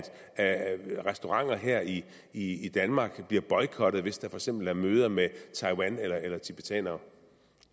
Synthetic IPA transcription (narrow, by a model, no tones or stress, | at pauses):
d̥ | ʁɛsd̥o̝ʁɑ̈ŋ̰ɐɦeɐ̰i | iːd̥ænmɑ̈ːɡ̥b̥liɐb̥ɒ̽ɪkʰɒ̽d̥ð̩ˠʋe̝sd̥ɑ̈fɒ̽ɡ̥sem̰b̥l̩æɐmøːð̞ˠɐmet͡sʰɑ̈ɪwænelɐelɐt͡sʰib̥it͡sʰɛ̰nɐ